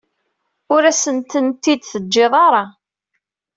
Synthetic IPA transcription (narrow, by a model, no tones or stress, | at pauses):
ʊɾæsənt̪ənt̪ːid̪θəd͡ʒːeðˤɑɾˤɑ